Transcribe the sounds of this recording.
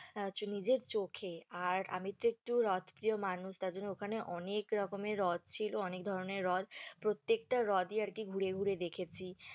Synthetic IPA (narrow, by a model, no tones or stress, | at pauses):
t͡ɕunid͡ʑeɾt͡ɕokʰeaɾa̰mit̪oek̚ʈuɾɔt̪ʰpɾijomanuʃt̪aɾd͡ʑonːookʰaneʔɔnekɾɔkomeɾɾɔd̪̚ʱt͡ɕʰiloɔnek̚d̪ʱɔɾoneɾːɔd̪pɾot̪ːek̚ʈaɾɔd̪iaɾkiɡʱuɾeɡʱuɾed̪ekʰet͡ɕʰi